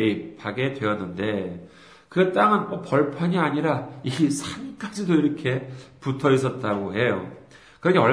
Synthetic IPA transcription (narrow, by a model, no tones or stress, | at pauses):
ipaɡe̞dwe̞ʌnːɯnde̞ | kɯt͈aŋɯnmʌpʌɭpʰaɲiaɲiɾaisʰank͈ad͡ʑidoiɾʌkʰe̞putʰʌis̬͈ʰʌt̚t͈aɡoɦe̞jo | kɯɾʌɲiʌ